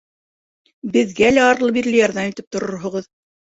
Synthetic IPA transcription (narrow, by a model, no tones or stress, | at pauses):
bɘ̆ðɡælæɑɾlˠɤbiɾlɘjɑɾðɑmit̪ɘp̚t̪ŏɾoɾɦŏʁɤð